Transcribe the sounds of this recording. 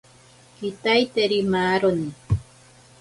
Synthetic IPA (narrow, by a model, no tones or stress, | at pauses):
kɪt̪ajt̪eɾɪmaːɾonɪ